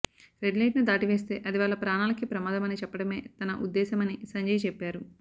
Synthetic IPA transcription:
ɾeɖleːʈnud̪aːʈiʋe̞ːst̪e̞ːʔɐd̪iʋaːɭːɐpɾaːnaːlɐkipɾɐmaːd̪ɐmɐnit͡ʃɛpːɐɽɐme̞ːt̪ɐnɐʔud̪ːɛːsɐmɐnisɐɲd͡ʒɐjt͡ʃɛpːaːɾu

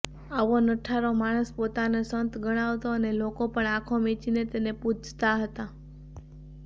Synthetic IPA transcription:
aʋonəʈʰaɾomaɽ̃əspot̪anesənt̪ɡəɽ̃aʋt̪oənelokopəɳakʰomet͡ʃinet̪enepud͡ʒt̪aɦət̪a

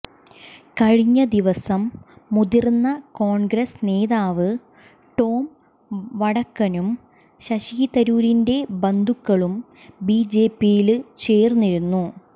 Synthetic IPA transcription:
kɐɻiɲːɐd̪iʋɐsɐmːuðirnːɐkoːɳɡɾɐsne̞ːðaːʋɨ | ʈo̞ːm | ʋɐɽɐkːɐnum | ɕɐɕiit̪ɐɾuːɾinde̞bɐnd̪ʱukːɐɭum | biːd͡ʑe̞ːpːijilt͡ɕe̞ːrnːiɾunːu

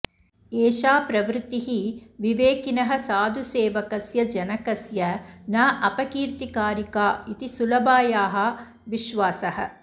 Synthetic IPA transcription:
eːʃaːpɾɐʋɾt̪ːiɦiʋiʋeːkinɐɦɐ̆saːd̪ʱuseːʋɐkɐsjɐd͡ʒɐnɐkɐsjɐnaːʔɐpɐkiːɾt̪ikaːɾikaːit̪isulɐbaːjaːɦɐ̆ | ʋiʃʋaːsɐɦɐ̰

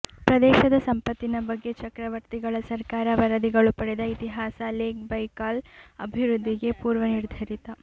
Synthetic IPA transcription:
pɾɐd̪ɛːʃɐd̪ɐsɐmpɐt̪ːinɐbɐɡːe̞t͡ʃɐkɾɐʋɐɾt̪iɡɐɭɐsɐɾkaːɾɐʋɐɾɐd̪iɡɐɭupɐɽɛd̪ɐit̪iɦaːsɐleːkbɐjkaːlɐ̰bʱiʋɾud̪ʱːiɡe̞puːɾʋɐniɾd̪ʱɐɾit̪ɐ

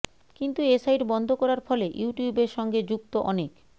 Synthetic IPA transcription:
kint̪uesajɾbɔnd̪ʱokɔɾaɾfɔleʔjuʈiubeɾʃɔŋɡed͡ʑuk̚t̪oʔɔnek

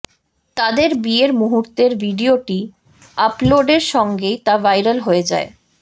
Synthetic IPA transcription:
t̪ad̪eɾbieɾmuɦuɾt̪eɾbʱiɖioʈi | aploɖeɾʃɔŋɡejt̪avajɾalɦoed͡ʑa̰e

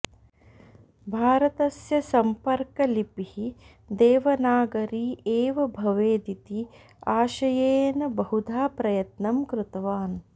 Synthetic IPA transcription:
bʱaːɾɐt̪ɐsjɐsɐmpɐɾkɐlipihi | d̪eːʋɐnaːɡɐɾiːeːʋɐbʱɐʋeːd̪it̪i | aːʃɐjeːnɐbɐɦud̪ʱaːpɾɐjɐt̪nɐmkɾɪt̪ɐʋaːn

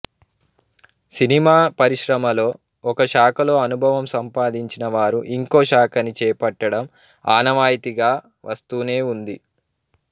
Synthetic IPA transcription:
sinimaːpɐɾiʃɾɐmɐlo̞ː | ɔkɐʃaːkɐlo̞ːɐnubʱɐʋɐmsɐmpaːd̪iɲt͡ʃinɐʋaːɾuʔiŋko̞ːʃaːkʰɐnit͡ʃɛːpɐʈːɐɽɐm | aːnɐʋaːjit̪iɡaː | ʋɐst̪uːne̞ːund̪i

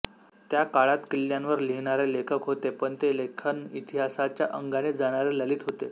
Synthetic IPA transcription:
t̪jakaɭat̪kilːjanʋəɾliɳ̃aɾelekʰəkɦot̪epəɳt̪elekʰənit̪iɦasat͡ɕjaʔəŋɡaned͡zaɽ̃aɾeləliːt̪ɦot̪e

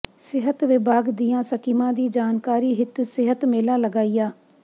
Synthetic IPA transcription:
sɪɦət̪ʋɪbaːɡd̪ijãːsəkiːmãːd̪iːd͡ʒaːnkaːɾiːɦɪt̪sɪɦət̪meːlaːləɡaːijaː

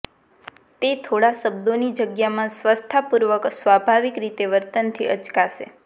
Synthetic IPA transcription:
t̪et̪ʰoɽasəbd̪onid͡ʒəɡjamãsʋəst̪ʰapuɾʋəksʋabʱaʋikɾit̪eʋəɾt̪ənt̪ʰḭʔət͡ʃkaʃḛ

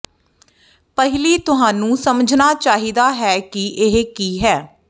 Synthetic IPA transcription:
pəɦɪliːt̪ʊɦãːnũːsəməd͡ʒʱnaːt͡ʃaːɦiːd̪aːɦɛːkiʔɪɦkiːɦɛː

